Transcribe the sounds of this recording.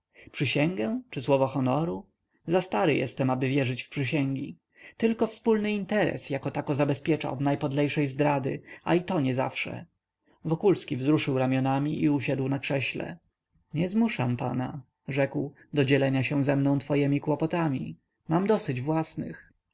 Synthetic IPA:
pʂɘɕɛŋɡɛ̃t͡ʂɘswɔvɔxɔnɔɾu | zast̪aɾɘjɛ̰st̪ɛmabɘvʲjɛʐɘt͡ɕfpʂɘɕɛŋɡʲi | t̪ɘlkɔfspulnɘint̪ɛɾɛ̰sjakɔt̪akɔzabɛspʲjɛt͡ʂa̰ɔd̪najpɔd̪lɛjʂɛjzd̪ɾad̪ɘ̰a̰it̪ɔɲɛza̰fʂɛ̰ | vɔkulskʲivzɾuʂɘwɾamʲjɔnamʲiʔiuɕad̪wnakʂɛɕlɛ̰ | ɲɛzmuʂampa̰na | ʐɛkw | d̪ɔd͡ʑɛlɛɲaɕɛw̃zɛmnɔ̃w̃t̪fɔjɛmʲikwɔpɔt̪amʲi | mamd̪ɔsɘd͡ʑvwasnɪ̰x

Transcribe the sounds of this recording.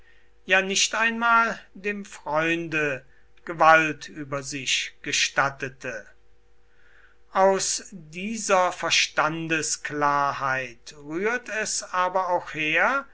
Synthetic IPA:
jaːnɪʃtaɪnmaːldeːmfʁ̥ɔʏndə | ɡ̥əvaltʰyːbɐzɪʃɡ̥əʃtatətʰə | ʔaʊsdiːzɐfɛɐʃtandəsklaːɐhaɪtʁyːɐtɛsaːbɐaʊxheːɐ

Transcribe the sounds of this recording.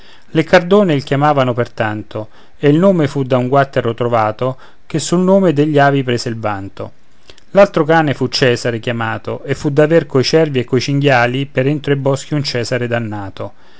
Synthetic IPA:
lekard̪oːneilkjamaːvanopert̪ant̪o | eilnoːmefud̪auŋɡwat̪ːeɾot̪ɾovaːt̪o | k̟esːulnoːmed̪eʎːaːvipɾeːseilvant̪o̰ | lalt̪ɾokaːnefut͡ʃːɛːzaɾek̟jamaːt̪o̰ʔefːud̪averkoit͡ʃɛrviekːojt͡ʃiŋɡjaːlipeɾent̪ɾoebɔsk̟iunt͡ʃɛːzaɾed̪anːaːt̪o

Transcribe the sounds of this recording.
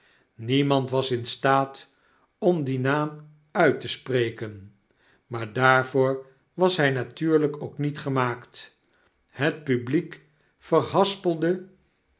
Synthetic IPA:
nimɑntʋɑsɪnstaːt | ɔmdinaːm | œɥtəsprejkən | maːɹdaːɹvoːɹ | ʋɑsɦɛjnatyːɹləkowknitχəmaːkt | ɦət̚pyblik | fərhɑspəlˠdə

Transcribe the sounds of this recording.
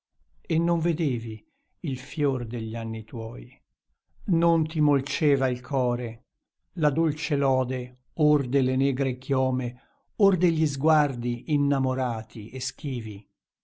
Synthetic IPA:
enːoɱved̪eːvi | ilfjord̪eʎːanːit̪wɔːj | nont̪imolt͡ʃɛːvailkʰɔːɾe | lad̪olt͡ʃelɔːd̪e | ord̪elenɛːɡɾekjɔːme | ord̪eʎːizɡward̪iinːamoɾaːt̪ʰiʔesk̟iːvi

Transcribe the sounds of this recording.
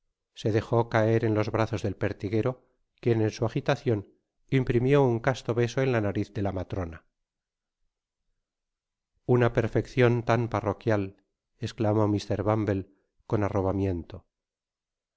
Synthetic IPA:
se̞ðe̞xo̞kae̞ɾe̞nlo̞zβɾaθo̞zðe̞lpe̞ɾt̪iɣe̞ɾo̞ | kje̞ne̞nsuaxit̪aθjo̞n | impɾimjo̞uŋkast̪o̞βe̞so̞e̞nlanaɾiθðe̞lamat̪ɾo̞na | unape̞ɾfe̞kθjo̞nt̪amparo̞kjal | e̞sklamo̞mist̪e̞ɾβambe̞l | ko̞naro̞βamje̞nt̪o̞

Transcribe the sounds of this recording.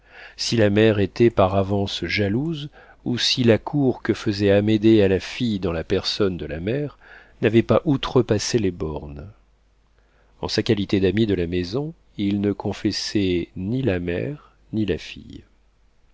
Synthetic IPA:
silamɛʁet̪ɛpaʁavɑ̃sʒaluz | usilakʰuʁkəfəzɛamed̪ealafijd̪ɑ̃lapɛʁsɔnd̪əlamɛʁ | navɛpaʔut̪χəpaselebɔʁn | ɑ̰̃sakʲalit̪ed̪amid̪əlamezɔ̃ | ilnəkʰɔ̃fɛsɛnilamɛ̰ʁ | nilafḭj

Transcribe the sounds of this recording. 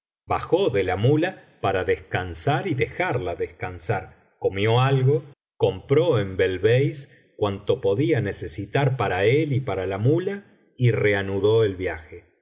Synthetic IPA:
baxoðe̞lamula | paɾaðeskansaɾiðe̞xaɾlaðeskansaɾ | ko̞mjo̞alɣo | ko̞mpɾo̞embelβejs | kwant̪o̞po̞ðiane̞se̞sit̪aɾpaɾaelipaɾalamula | ire̞anuðo̞elβjaxe

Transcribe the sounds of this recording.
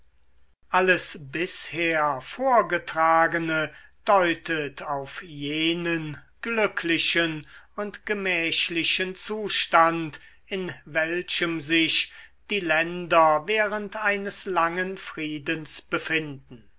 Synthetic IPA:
ʔaləsbɪsheːɐfoːɐɡətʁ̥aːɡənəd̥ɔʏtʰətʰaʊfjeːnən | ɡ̥lʏkʰlɪʃənʊntɡ̥əmɛːʃlɪʃənt͡suːʃtant | ɪnvɛlʃəmzɪʃd̥iːlɛndɐveːʁəntaɪnəslaŋənfʁiːdənsb̥əfɪndn̩

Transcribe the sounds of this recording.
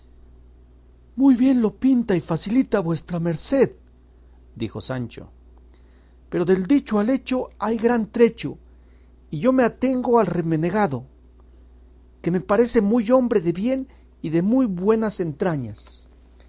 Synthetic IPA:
mujβje̞nlo̞pint̪aifasilit̪aβwe̞st̪ɾame̞ɾse̞ð | d̪ḭxo̞̰sant͡ʃo̞̰ | pe̞ɾo̞ðe̞ld̪it͡ʃoale̞t͡ʃo̞ajɣɾant̪ɾe̞t͡ʃo | iʝo̞meat̪e̞ŋɡo̞alreme̞neɣaðo̞ | ke̞me̞paɾe̞se̞mujo̞mbɾeðe̞βje̞n | iðe̞mujβwe̞nase̞nt̪ɾaɲas

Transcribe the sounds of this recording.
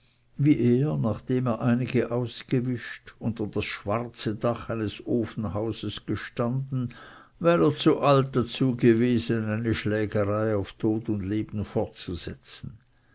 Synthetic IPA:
viːʔeːɐnaχd̥eːmeːɐʔaɪnɪɡəʔaʊsɡ̥əvɪʃtʊntɐd̥asʃv̥aʁt͡sədaχaɪnəsoːfn̩ɦaʊzəsɡ̥əʃtandn̩ | vɛːʁeːɐt͡suʔalt̚d̥at͡suːɡəveːzənaɪnəʃlɛːɡəʁaɪaʊftʰoːtʊndleːb̥n̩fɔʁtt͡suz̥ɛt͡sn̩

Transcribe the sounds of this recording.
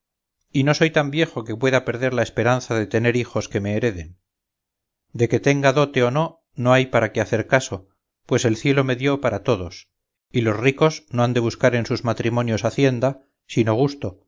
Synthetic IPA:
ino̞so̞jt̪ambje̞xo̞ke̞pwe̞ðape̞ɾðe̞ɾlaespe̞ɾan̟θaðe̞t̪e̞ne̞ɾixo̞ske̞me̞ːɾe̞ðe̞n | d̪e̞ke̞t̪e̞ŋɡaðo̞t̪e̞ono̞ | no̞ajpaɾakeaθe̞ɾkaso̞ | pwe̞se̞lθje̞lo̞me̞ðjo̞paɾat̪o̞ðo̞s | ilo̞zriko̞zno̞and̪e̞β̞uskaɾe̞nsuzmat̪ɾimo̞njo̞saθje̞nd̪a | sino̞ɣ̞ust̪o̞

